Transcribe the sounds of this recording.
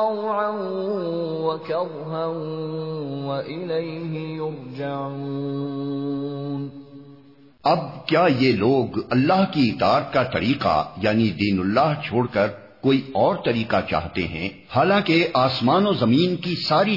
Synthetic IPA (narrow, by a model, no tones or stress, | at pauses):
ɑwʕa | wɐkɐɾ | ɦa | wɐʔɪlejɦɪjʊɾd͡ʒaʕu | n | ɐb̚kjaːjeloːɡɐlːaːɦkiɪt̪aːt̪̚kat̪ɐɾiːqa̰jaːnid̪iːnʊlːaːɦt͡ʃʰoːɽkɐɾ | koːiɔːɾt̪ɐɾiːqat͡ʃa̰ːɦt̪ḛɦɛ̰̃ | haːlãːkeʔaːsmaːnozɐmiːnkisaːɾi